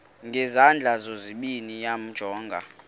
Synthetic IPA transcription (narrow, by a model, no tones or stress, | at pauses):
ŋɡʱɛzand͡ɮʱazoziɓinijam̩d̥ʒ̥ʱɔːŋɡʱa̰